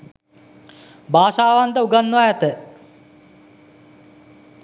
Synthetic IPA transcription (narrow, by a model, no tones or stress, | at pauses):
baːʃaːʋant̪əuɡanːʋajat̪ə